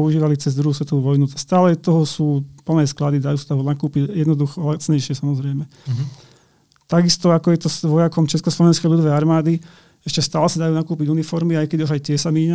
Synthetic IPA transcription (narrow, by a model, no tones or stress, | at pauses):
ɔuʒiːʋalit͡sɛzd̪ɾuɦuːsʋɛt̪ɔʋuʋɔjnust̪aːlɛt̪ɔɦɔsuːpl̩nɛːsklad̪id̪ajuːsad̪aɦɔnakuːpiɟjɛd̪nɔd̪uxɔɔlat͡sɲɛjʃɪɛsamɔzɾɛjmɛ | t̪aɡist̪ɔakɔjɛt̪ɔsʋɔjakɔmt͡ʃɛskɔslɔʋɛnskɛjʎud̪ɔʋɛjaɾmaːd̪i | ɛʃcɛst̪aːlɛsad̪ajuːnakuːpiɟunifɔɾmiajkɛd̪iuʒajt̪ɪɛsamiːɲa